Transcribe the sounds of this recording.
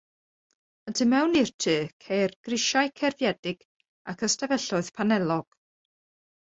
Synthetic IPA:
ədʰɨmɛwnirtʰɨːkʰejrɡ̥rɪʃajkʰɛrvjɛdɪɡ̥ | akʰəstavɛɬʊɨð̥pʰanɛlˠɔɡ̥

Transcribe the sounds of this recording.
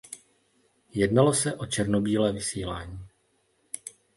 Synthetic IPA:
jɛdnalosɛʔo̞t͡ʃɛɾno̞biːlɛːvɪsiːlaːɲiː

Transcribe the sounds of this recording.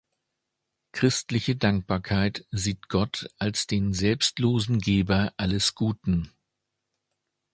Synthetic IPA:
kʁ̥ɪstlɪçədaŋk̚b̥aːɐkʰaɪtz̥iːtɡ̥ɔtʔalsd̥eːnzɛlpstloːzn̩ɡeːbɐʔaləsɡ̥uːtn̩

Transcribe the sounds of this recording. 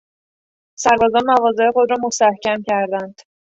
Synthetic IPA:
sæɾbɒːzɒːnmævɒːze̞exo̞d̪ɾɒːmost̪æhcʰæmcʰæɾd̪ænd̪̥

